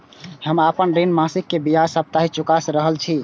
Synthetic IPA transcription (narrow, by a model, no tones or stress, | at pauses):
həmapənɾinmasikːebiɦasəb̚t̪aɦit͡ʃukasɾəɦəlt͡ʃʰi